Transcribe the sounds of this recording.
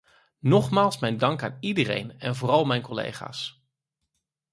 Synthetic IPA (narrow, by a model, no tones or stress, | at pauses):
nɔχmaːlˠsmɛjndɑŋkaːnidəɾḛjnɛnvoːrɑlˠmɛjnkɔlḛjχa̰ːs